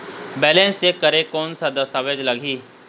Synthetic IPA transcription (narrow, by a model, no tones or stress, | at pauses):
bɛːlẽnsekɐɾekɔːnsad̪ɐst̪aːʋed͡ʒlɐɡʱiː